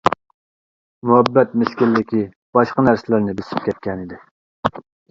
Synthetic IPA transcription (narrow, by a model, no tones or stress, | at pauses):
muɦɛbːɛt̪̚mɪskʲilːɪkʲi | b̥ɑʃqɑnæɾsɪlɪɾnɪbesɪ̥p̚kʲʰɛt̪̚kʲɛnid̪ɪ